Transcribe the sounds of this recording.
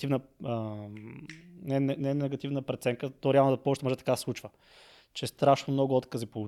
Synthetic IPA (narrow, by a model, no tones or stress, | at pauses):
ivnəə | nɛnɛnɛnɛɡɐt̪ivnəpɾɛt̪sɛŋkət̪ɔɾɛalˠnod̪ɐpɔʊʃt̪ɛmɔʒɛt̪ɐ̥kaslˠut͡ʃvə | t͡ʃɛst̪ɾaʃnomnɔɡʊɔt̪kəzipolˠu